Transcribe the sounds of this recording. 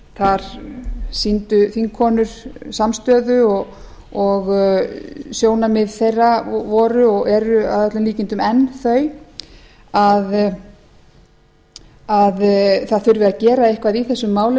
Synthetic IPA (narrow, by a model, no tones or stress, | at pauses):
θaɾ̥ | sint̪ʏθiŋkʰɔːnʏɾ̥samst̪œːðʏɔ | ɔɣ | sjoːwnamɪðθejrːavɔːɾʏɔɣɛɾʏa̰ðɛt̪lamliːcɪnt̪ʏmɛnːθœɥ | að | aðθaðθʏɥɾvɪðacɛːɾaɪhkvaðiθɛsːʏmːaːwlɪ